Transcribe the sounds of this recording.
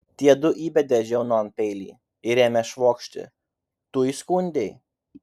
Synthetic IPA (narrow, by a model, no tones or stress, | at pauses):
t̪ʲiɛd̪ʊʔiːbʲɛd̪ʲɛʒʲɛʊnoːɐnpʲɛɪlʲḭː | ɪɾʲeːmʲɛʃʋoːkʃʲt̪ʲɪ̰ | t̪uːiskʊnʲd̪ʲɛɪ